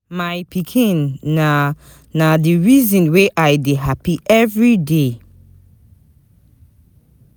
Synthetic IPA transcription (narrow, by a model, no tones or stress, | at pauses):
majpʰikʰĩna | nadiɹizɔ̃nweʔajdeɦapiʔɛvɹide